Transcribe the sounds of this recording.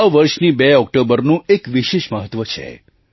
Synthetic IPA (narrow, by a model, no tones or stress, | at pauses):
ʋəɾʃnibeɔk̚ʈobəɾnũekʋiʃeʃməɦət̪ʋət͡ʃʰḛ